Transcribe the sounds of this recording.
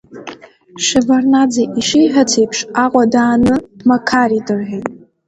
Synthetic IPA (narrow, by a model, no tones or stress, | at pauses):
ʂevarnad͡zaʔiʂijħʷᶣatʰejpʰʂaqʷʼadaːnɨdmakʰaridɨrħʷᶣejtʼ